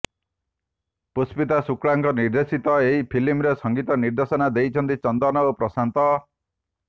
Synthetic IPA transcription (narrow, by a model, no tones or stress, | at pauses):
puspit̪asukɽaŋkɔniɾd̪esit̪ɔeɦipʰilimɾesʌŋɡit̪ɔniɾd̪esɔnad̪ejt͡ʃʰʌnt̪it͡ʃɔnd̪ɔnɔopɾɔsant̪ɔ